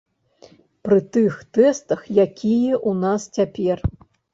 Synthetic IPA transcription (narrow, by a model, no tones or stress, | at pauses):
pɾɨt̪ɨxt̪ɛst̪ɐxjakʲijɛʔunast͡sʲapʲɛr